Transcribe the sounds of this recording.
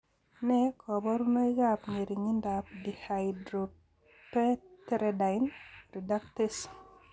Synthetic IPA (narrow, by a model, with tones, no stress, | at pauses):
nɛ˦kʰɔ˨bɔ˦ɾu˦na˦i˦ɡapne˨ɾi˨ŋi˦ndap̚di˨hajdɾo | pɛ˦tɛ˦ɾɛda˨ɪnɾi˨da˦ktɪ˦s